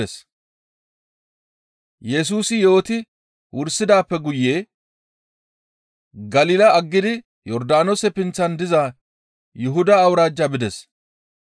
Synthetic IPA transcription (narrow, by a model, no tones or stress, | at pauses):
ɛs | jɛs̬uːsɪjo̞ːt̪ɪ | wʊɾsɪd̪aːpːɛɡʊjːeː | ɡɐliːlɐɐɡːɪd̪ɪ | jɔɾd̪aːnɔsɛpɪnt͡sːɐnd̪ɪzɐ | jɪɦʊd̪ɐːwɾaːd͡ʒːɐbɪd̪ɛs